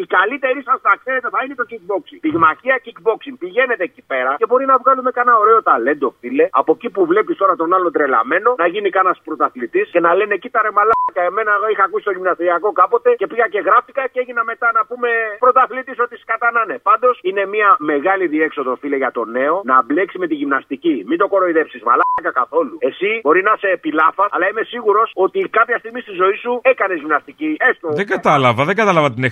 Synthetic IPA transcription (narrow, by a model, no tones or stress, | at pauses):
ikalit̪e̞ɾisɐst̪ɐkse̞ɾe̞t̪e̞θɐinet̪o̞cik̚bo̞ksiŋpiɣmaçiɐcikbo̞ksiŋpiʝe̞ne̞t̪e̞cipe̞ɾɐce̞bo̞ɾinɐvɣɐlume̞kɐnɐo̞ɾe̞o̞t̪ale̞nd̪o̞file̞ɐpo̞cipuvle̞pist̪o̞ɾɐt̪o̞nɐlo̞nd̪ɾe̞lɐ̰me̞no̞nɐʝinikɐnɐspɾo̞t̪ɐθlit̪isce̞nɐle̞ne̞cit̪ɐɾemalɐkɐeme̞nɐixɐːkusi̥t̪o̞ʝimnɐst̪ɾiɐko̞kɐpo̞t̪e̞ce̞piɣɐce̞ɣɾɐft̪ikɐcee̞ʝinɐme̞t̪ɐnɐpume̞pɾo̞t̪aθlit̪iso̞t̪iskat̪ɐnanepand̪o̞sine̞miɐme̞ɣaliðiekso̞ðo̞filɐʝɐt̪o̞ne̞o̞nɐbleksime̞t̪iʝimnɐst̪icimind̪o̞ko̞ɾoiðepsizma̰lakakaθo̞lue̞sibo̞ɾinɐse̞ːpilɐfɐɐlɐaime̞siɣuɾo̞so̞t̪ikapçɐst̪iɣmist̪izo̞isue̞kɐnezʝimnɐst̪iciest̪oðeɡɐt̪ɐlɐvɐðeɡɐt̪ɐlɐvɐt̪ine